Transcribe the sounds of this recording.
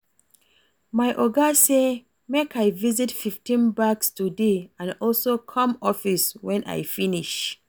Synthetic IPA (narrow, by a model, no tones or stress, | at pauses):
majʔɔɡase | mekajvizitfiftĩnbakstudeãnɔlsokʰɔ̃mɔfiswɛ̃nʔa̰jfiniʃ